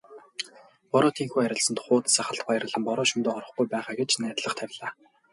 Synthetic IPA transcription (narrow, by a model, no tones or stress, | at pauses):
pɔɾɔːt̪ʰiːŋxujæɾʲɪ̆ɮsə̆nt̪χʊːt̪saχə̆ɬt̪̚pɔjrə̆ɮə̆mpɔɾɔːʃumt̪oːɔɾɞ̆χɡujpæːχaːɡet͡ɕnæːt̪ɮə̆χt̪ʰæwʲɮaː